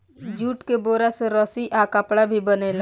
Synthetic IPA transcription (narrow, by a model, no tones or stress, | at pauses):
d͡ʒuːʈkeboːɾaseɾɔsiʔakəpɽabʱibənela